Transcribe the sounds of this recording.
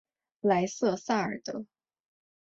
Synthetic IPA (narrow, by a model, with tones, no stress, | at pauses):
la˧˥ɪsɤ˥˧sa˥˩ə̰˞˨˩t̪ɤ˧˥